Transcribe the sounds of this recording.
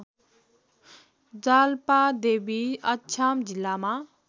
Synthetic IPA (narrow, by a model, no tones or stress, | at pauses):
d͡zalpad̪ebiʌt͡ʃʰamd͡zilːama